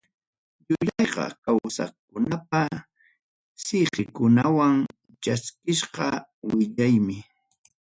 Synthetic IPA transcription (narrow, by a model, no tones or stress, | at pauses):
ʎʊʎɑjqɑ̰kawsa̰kʊnap̚a | sɪɢɪkʊnawaŋ | t͡ʃaskɪʃqɑwɪʎajmɪ